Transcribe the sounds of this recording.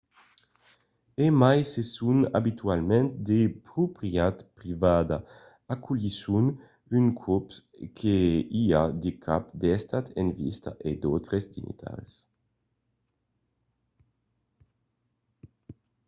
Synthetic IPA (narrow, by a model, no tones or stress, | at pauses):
emajsesuna̰bit̪yalmɛnt̪d̪epɾupɾiat̪pɾivad̪a | akʰulisun | ynkʰupskʰeiad̪ekʰapd̪ɛst̪at̪envḭst̪a̰ʔed̪owt̪ɾesd̪ḭnḭt̪ʰa̰ɾs